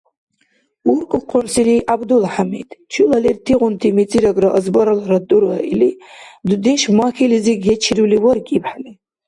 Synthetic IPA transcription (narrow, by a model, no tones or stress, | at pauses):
urkʼqʰʊnsiliʔabd̪ulħametʼt͡ʃʰulalertʰiʁʷʊntʰimit͡sʼiɾaɡʼraʔəzbaɾalaɾad̪uɾaʔilid̪ud̪inʃmaxʲiliziɡʲet͡ʃʰiruliwərkʼipʰħametʼ